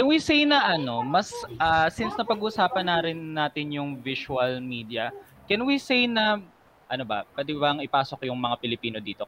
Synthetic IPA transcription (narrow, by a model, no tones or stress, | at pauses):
kɛnwisejnɐʔɐno̞mɐsʔasinsnɐpɐɡʔʊsaːpɐnaɾɪnːaːt̪ɪnjʊŋviʃuɐlmiːd̪ijɐ | kɛnwisejnɐ | ʔɐnobɐ̰pwɛːd̪ɪbaŋɪpaːsokjʊŋmɐŋapɪlɪpiːno̞d̪iːt̪o